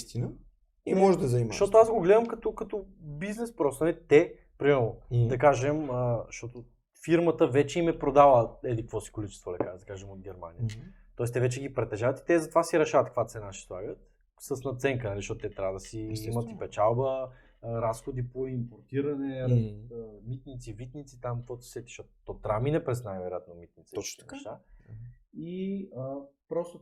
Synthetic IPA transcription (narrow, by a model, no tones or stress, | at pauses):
st̪inə | immɔʒɛd̪ɐzɐimʃt̪ɔt̪oazɡoɡlɛd̪əmkɐt̪ɔkɐt̪ɔbiznɛspɾɔst̪onɐlɛt̪ɛ | pɾimɛɾnod̪ɐkaʒɛməʃt̪ɔt̪o | fiɾmət̪əvɛt͡ʃɛimɛpɾod̪avəɛlikɐkvɔsi̥kolit͡ʃɛ̥st̪vɐd̪ɐkad̪ɐkaʒɛmod̪̚ɡʲɛɾma̰nijə | t̪ːɔɛst̪ɛvɛt͡ʃɛɡipɾɛt̪ːɛʒavɐt̪i̥t̪ɛzɐt̪ovasiɾɛʃavɐt̪kvat̪sɛnaʃi̥slˠa̰ɡət̪ | səsnɐt̪sɛŋkənɐliʃtɔt̪ʊt̪ɛt̪ɾʲavəd̪ɐsiimət̪ipɛt͡ʃalˠbə | ɾasxod̪ipoimpoɾt̪iɾɐnɛ | mit̪nit̪sivit̪nit̪sit̪amkvɔt̪si̥sɛt̪i̥ʃtɔt̪t̪ɔt̪ɾaminɛpɾɛsnajvɛɾojat̪nomit̪̚nit̪sɛɔt͡ʃ̪ɛʃa | iəpɾɔst̪o